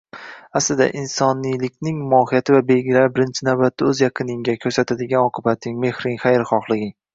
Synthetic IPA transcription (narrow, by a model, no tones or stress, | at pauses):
aslɪd̪a̰ʔɪnsɒnijlɪkʲnɪŋmɒhɪjat̪ʰɪvabe̞lɡʲɪlaɾbɪɾɪnt͡ʃʰɪnawbat̪ʰːaɵzjɑqʰɨnɪŋɡʲakʲʰɵɾsat̪ʰad̪ɪɡʲanɒqʰɨbat̪nɪŋme̞hɾɪŋχajɾχɒχlˠɪɡʲɪ